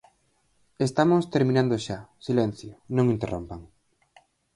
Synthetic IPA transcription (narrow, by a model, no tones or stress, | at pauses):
est̪amost̪eɾmĩnãnd̪oʃasilɛn̟θjonõŋĩnt̪ero̰mpaŋ